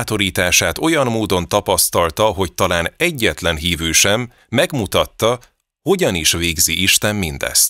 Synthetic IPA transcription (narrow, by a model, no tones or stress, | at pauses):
t̪o̞ɾiːt̪aːʃaːt̪o̞jɒmːoːd̪o̞nt̪ɒpɒst̪ɒlt̪ɒɦo̞ct̪ɒlaːnɛɟːɛt̪lɛnɦiːvyːʃɛmː | ɛɡmut̪ɒt̪ːɒ | ho̞ɟɒniʃveːɡziʔiʃt̪ɛmːind̪ɛ̰st̪